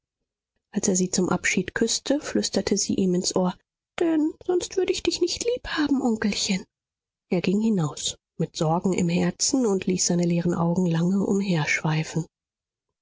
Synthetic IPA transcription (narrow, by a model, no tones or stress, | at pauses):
ʔalseːɐziːt͡sʊmʔa̰pʃiːtkʰʏstʰəflʏstɐtʰəzḭːʔiːmɪnsʔoːɐ | d̥ɛnz̥ɔnstv̥ʏɐɾəɪçd̥ɪçnɪçtʰliːphaːbm̩ʔɔŋkl̩çən | ʔeːɐɡɪŋhɪnaʊs | mɪtz̥ɔɐɡŋ̩ɪ̰mhɛɐt͡sn̩ʊntʰliːsz̥aɪnəleːʁənʔaʊɡŋ̩laŋəʔʊ̰mɦeːɐʃv̥aɪfn̩